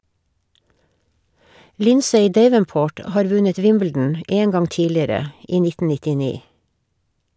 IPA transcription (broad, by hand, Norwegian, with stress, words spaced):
ˈlɪnseɪ ˈdeɪʋənˌpoːʈ ə ˈhɑːɾ ˈʋʉɲət ˈʋɪmbl̩dn̩ ə ˈʔeː ˈŋɡɑŋ ˈtiːlɪəɾə ˈiː ˈnɪtn̩ nɪtɪˈniː